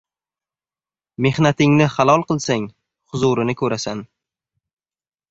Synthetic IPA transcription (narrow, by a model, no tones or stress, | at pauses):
me̞hnat̪ɪŋnɪχalˠɒlˠqɨlˠsaŋ | χʊzʊɾɪnɪkʰɵɾasan